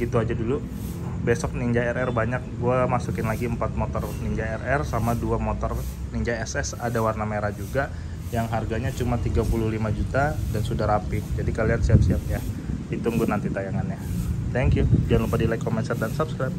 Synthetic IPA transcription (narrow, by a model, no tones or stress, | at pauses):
ɡit̪uad͡ʒadulu | besɔk̚niŋd͡ʒaɛɾɛrbaɲak̚ɡuamasukɪnlaɡiəmpat̪̚mot̪ɔrniɲd͡ʒaɛrɛrsamaduamot̪ɔrniɲd͡ʒaɛsɛsadawarnameɾad͡ʒuɡa | jaŋɦarɡaɲat͡ʃumat̪iɡapuluhlimad͡ʒut̪adansudaɾapid͡ʒadikaliansiap̚siap̚jait̪uŋɡʊnant̪it̪ajaŋanjat̪ɛŋkjud͡ʒaanlupadilaikɔmɛnsardansapskɾap̚